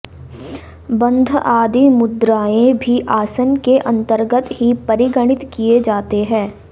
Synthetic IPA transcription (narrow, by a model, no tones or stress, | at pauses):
bɐ̃nd̪ʱaːd̪imʊd̪ɾaːẽbʱiʔaːsənkeʔɐ̃nt̪əɾɡət̪ɦipɐɾɪɡəɽ̃ɪt̪kijed͡ʒaːt̪eɦɛ̃ː